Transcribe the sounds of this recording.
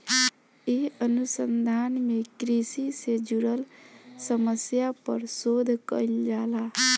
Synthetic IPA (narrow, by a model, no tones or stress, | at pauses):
eənusənd̪ʱanmekɾisised͡ʒuɾəlsəməsjapə̰ɾsod̪ʱkə̰jld͡ʒala